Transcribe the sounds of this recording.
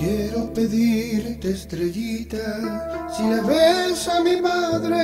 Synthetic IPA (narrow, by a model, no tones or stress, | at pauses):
jeɾopeðiɾt̪est̪ɾeʎit̪asileβesamimaðɾe